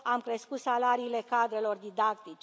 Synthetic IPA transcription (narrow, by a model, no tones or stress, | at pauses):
amkɾe̞skut̪salaɾiːle̞kad̪ɾe̞lo̞rd̪id̪akt̪it͡ʃe